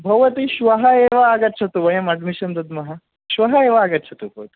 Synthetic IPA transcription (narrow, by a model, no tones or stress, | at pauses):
bʱɐʋɐt̪iɕʋɐɦɐeːʋɐaɡɐɾt͡ʃʰɐt̪uʋɐjɐmɐɖmiʃɐnd̪ɐd̪mɐɦɐ | ʃʋɐɦɐeːʋɐaːɡɐɾt͡ʃʰɐt̪ubʱɐʋɐt̪i̥